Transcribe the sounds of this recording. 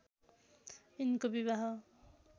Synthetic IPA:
inkobiβaɦʌ

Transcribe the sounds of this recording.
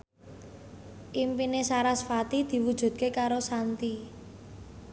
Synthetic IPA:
ʔimpinesaɾasfat̪id̪̥i̤wud̥ʒ̥ṳd̪̥̚kekaɾosant̪i

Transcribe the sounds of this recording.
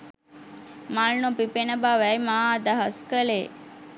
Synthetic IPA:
malnopipenəbaːʋæjmaad̪aɦɐskəle

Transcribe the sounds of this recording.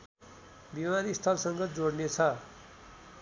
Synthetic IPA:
bimanist̪ʰʌlsʌŋɡʌd͡zoɽnet͡sʰʌ

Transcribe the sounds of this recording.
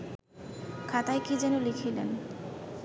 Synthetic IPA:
kʰat̪ajkid͡ʑɛnolikʰilḛn

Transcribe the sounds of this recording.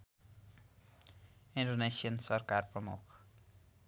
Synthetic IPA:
inɖonesijʌnsʌrkarprʌmṵkʰ

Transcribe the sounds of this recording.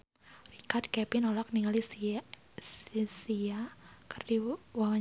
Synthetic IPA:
rikardkɛpinolak̚niŋalis | sisiakɨrdiwawa

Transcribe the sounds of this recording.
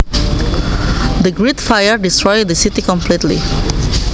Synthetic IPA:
d̪əɡɹitfajəɹdistɹɔjdəsitikɔ̃mplitlḭ

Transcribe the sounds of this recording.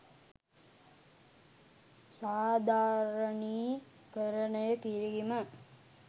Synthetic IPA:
saːd̪ʱaːɾəniː | kəɾənəjəkiɾiɡimə

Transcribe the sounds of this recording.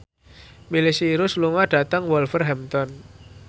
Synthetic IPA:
milisiːɾʊsluŋaɖ̥at̪aŋwɔlfərɦɛmt̪ɔn

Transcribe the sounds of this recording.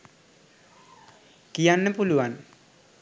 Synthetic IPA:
kijanːepuluwan

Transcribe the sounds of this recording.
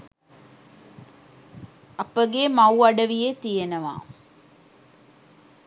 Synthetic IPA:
ɐpəɡeːmɐwɐɖəʋijet̪ijenəʋa̰ː

